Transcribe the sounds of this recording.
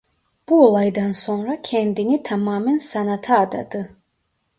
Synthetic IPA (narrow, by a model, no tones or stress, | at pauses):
b̥uolˠɑjd̪ansoŋɾakʲʰɛnd̪init̪ʰamaːmɛnsanat̪ʰaːd̪a̰d̪ɯ